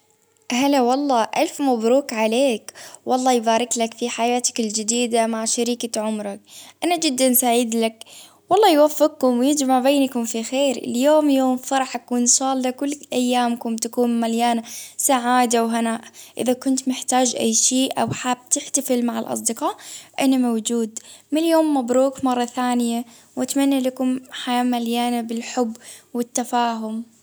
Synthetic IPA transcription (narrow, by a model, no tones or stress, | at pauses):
ɦalawɑlˤːɑːʔalfmabɾuːkʕaleːkwɑlˤːɑːjbaːɾˤɪklakfiħajaːt̪ḁkɪld͡ʒɪd̪iːd̪amaʕʃaɾiːkaʕʊmɾˤɑk̚ʔanad͡ʒɪd̪ːansaʕɪd̪lak | wɑlˤːɑːjwafːɪq̚kʊmwjɪd͡ʒmaʕbeːnkʊmfixeːɾɪ̰ljoːmjoːmfɑɾˤɑħʔakuːnʃɑːlːakʊlːʔajːaːmkʊmt̪akuːnmaljaːnasaʕaːd̪awɦanaːʔʔɪ̰ðakʊnt̪mɪħt̪aːd͡ʒʔa̰jːʃeːʔa̰wħaːb̚t̪ɪħt̪afɪlmaʕɪlʔɑ̰s̬ˤd̪ɪqɑːʔʔɪnːamawd͡ʒuːd̪mɪljoːmːabɾuːkmɑrˤːɑθaːnɪja | wʔat̪manːalakʊmħajaːmaljaːnabɪlħʊbːwɪt̪ːafaːɦʊm